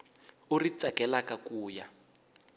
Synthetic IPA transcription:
urit͡sakɛlakakuːja

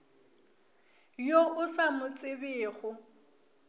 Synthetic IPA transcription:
joʔʊsamʊt͡sʼɪbɪːɣʊ

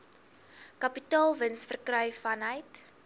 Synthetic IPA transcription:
kɐpitɑːlˠvənsfərkrœɥfɐnɦəjt

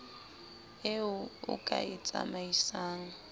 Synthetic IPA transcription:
ɪʊʊ̰kʼaɪt͡sʼa̰maisaːŋ̩

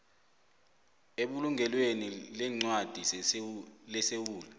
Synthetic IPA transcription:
eɓuluŋɡʱɛlwenilɛŋ͡ǀwad̥ʱi | lɛsewuːla

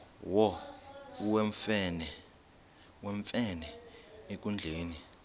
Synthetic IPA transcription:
wɔ | wɛɱfɛnɛ | wɛɱfɛnɛek̬ʼund͡ɮʱeːni

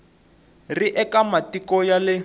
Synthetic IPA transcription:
riʔɛkamatikɔjalɪ

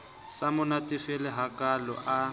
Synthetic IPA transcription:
samʊnatʼɪfɛlɪɦakalɔ̰ʔa

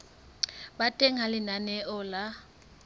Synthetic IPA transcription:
batʼɛŋalɪnanɛʔɔla

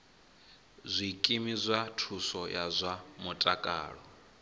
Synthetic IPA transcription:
zʷikʼimizʷatʰusɔjazʷamutʼakʼa̰ːɺɔ

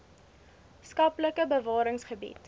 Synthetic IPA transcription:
skɐpləkəbəvɑːɾəŋsχəbḭt

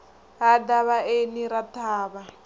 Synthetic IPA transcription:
ɦadaβaeniɾat̪ʰaːβa

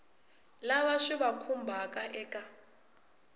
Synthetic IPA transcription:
laβaʂiβakʰumbʱakʼaʔɛːkʼa

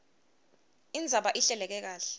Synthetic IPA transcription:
ind͡zʱaɓaʔiɬɛlɛk̬ɛk̬aːɬɛ̥

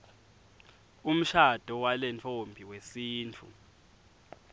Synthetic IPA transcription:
um̩ʃad̥ʱɔwalɛnt͡fʰombʱiwesiːnt͡fʰṵ

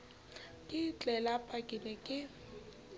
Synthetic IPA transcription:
kʼɪt͡ɬʼɛlapʰʼakʼɪnɛkʼɪ

